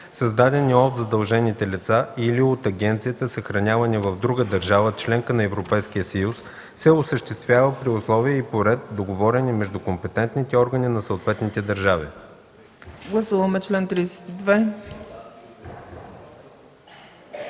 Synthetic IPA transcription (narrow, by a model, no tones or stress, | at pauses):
sɐzd̪ad̪ɛniɔt̪zɐd̪ɐlˠʒɛnit̪ɛlit̪sailiot̪ɐɡʲɛnt̪sijət̪əsəxɾɐnʲjavɐnɛvɐvd̪ɾuɡəd̪əɾʒavət͡ʃlɛŋkənɐɛvɾopɛjskiəsəjusː | ɛosəʃt̪ɛst̪vʲjavəpɾiʊslˠɔviəipoɾɛt̪̚d̪oɡovɔɾɛnimɛʒd̪ukompɛt̪ɛnt̪nit̪ɛɔɾɡəninɐsəot̪vɛt̪nit̪ɛd̪əɾʒavḭ | ɡlˠɐsuvɐmɛt͡ʃlɛnt̪ɾisɛ̥t̪id̪vɛ